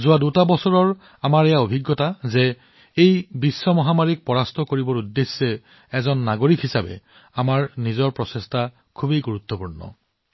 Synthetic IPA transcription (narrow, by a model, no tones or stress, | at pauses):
zʊwadutabɔsɔɹɔɹ | amaɹɛjaobʱiɡːɔtazɛ | ejbisːɔmɔɦamaɹik̚pɔɹastʰɔkoɹibɔɹudːesːɛ | ɛzɔnːaɡoɹikhisabɛ̰ | amaɹnizɔɹpɹɔsesta | kʰubejɡuɹut̪ːɔpuɹnɔ̰